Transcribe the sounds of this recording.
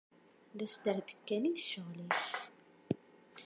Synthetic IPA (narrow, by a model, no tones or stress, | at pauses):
læsd̪əɾbəkːæniθʃəʁliç